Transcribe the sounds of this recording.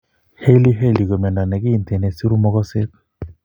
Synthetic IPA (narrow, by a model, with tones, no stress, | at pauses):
he˦li˦ɦe˦˨li˨ɡo˨mɛ˨na˨nɛ˨ɡɪ˦˨nt̪e˨ne˨si˦ɾu˦mɔ˦kɔ˦sɪ˦k